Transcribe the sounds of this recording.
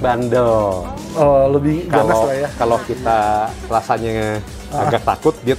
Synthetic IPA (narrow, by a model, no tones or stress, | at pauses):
bandəl | ələbɪhaləosajakalokit̪arasaɲa | aɡak̚t̪a̰kʊt̪̚bia